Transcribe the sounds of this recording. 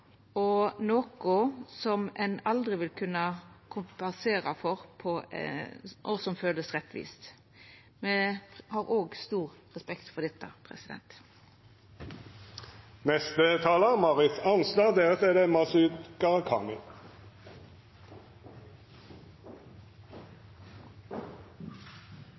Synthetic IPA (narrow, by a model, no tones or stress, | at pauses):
ɔnoːkʊsɔmɛnɑld̪ʁɪʋɪlkʰʉnəkʰʊmpɛnseːʁɑfɔʁpʰɔ | ʔɔsɔmføːləsʁɛt̪ːʋḭːst̪ | meːhɑʁoːɡst̪uːʁʁɛspɛkt̪fɔʁd̪ɛt̪ːə̰pʰʁɛ̰sɪd̪ɛ̰nt̪ | nɛst̪ət̪ʰɑːləʁmɑʁɪt̪ɑnslɑːʁd̪eːʁət̪ɛd̪emɑsʉd̪ɡ̥ɑʁɑkʰɑ̰ːmɪ